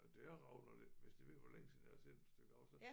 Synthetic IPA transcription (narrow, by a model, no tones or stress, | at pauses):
d̥eæɐʁɑ̈ʊnɒd̥eʋe̝sd̥iʋe̝ð̰ʋɒleŋəsinæsʰḛ̥e̥sd̥øɡ̥ɑ̈ʊsæn